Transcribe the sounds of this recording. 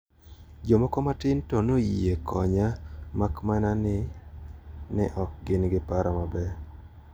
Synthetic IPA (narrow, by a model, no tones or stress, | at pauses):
d͡ʒomɔkɔmatɪntɔnoekʰɔɲamakmananɪ | nɪ̰ʔɔk̚ɡɪnɡɪpaɾamabɛ